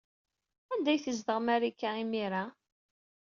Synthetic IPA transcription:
ænd̪æjθəzd̪əʁmæɾikːæimiɾa

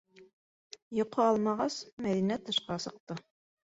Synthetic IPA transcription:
jŏqʰɤɑlˠmɑʁɑsmæðinæt̪ɤ̆ʃqɑsɤ̆q̚t̪ɤ

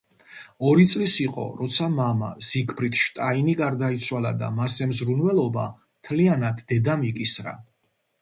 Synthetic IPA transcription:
ɔɾit̪sʼlisiqʼɔ̰ɾɔt̪sʰamama̰z̥ikʰbɾit̪ʰʃt̪ʼainiɡaɾd̪ait̪sʰwala̰d̪a̰masɛmzɾunwɛlˠɔba̰ | mt̪ʰlianad̪ːɛd̪amikʼisɾa̰

